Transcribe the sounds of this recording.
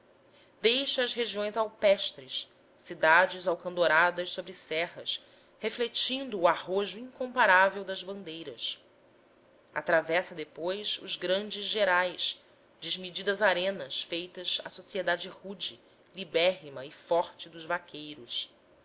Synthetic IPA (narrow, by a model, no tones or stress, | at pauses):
d̪ejʃɐːzɦeʒiõj̃zawpɛʃt̪ɾɪs | sid̪ad͡ʒɪzawkɐ̃nd̪oɾad̪ɐʃsobɾɪsɛɦɐs | heflet͡ʃĩnd̪ʊːaɦoʒʊĩŋkõmpaɾavewd̪ɐzbɐ̃nd̪ejɾɐs | at̪ɾavɛsɐd̪epojsʊ̰zɡɾɐ̃nd͡ʒɪzʒeɾajs | d͡ʒɪzmid͡ʒid̪ɐzaɾẽnɐsfejt̪ɐza̰sosied̪ad͡ʒɪhud͡ʒi | libɛɾmɐɪfɔɾt͡ʃɪd̪ʊzvakʰejɾʊs